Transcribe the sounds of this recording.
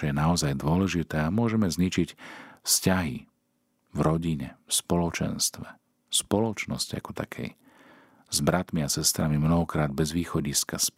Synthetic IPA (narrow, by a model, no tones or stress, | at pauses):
ɔjɛnaɔzajd̪ʊɔlɛʒit̪ɛːamʊɔʒɛmɛzɲit͡ʃicfscaɦḭ | vɾɔɟiɲɛfspɔlɔt͡ʃɛ̰nst̪ʋɛ | spɔlɔt͡ʃnɔscia̰kɔ̥t̪a̰kʰɛ̰j | zbɾat̪miasɛst̪ɾamimnɔɦɔkɾaːd̪̚bɛzʋiːxɔɟiskas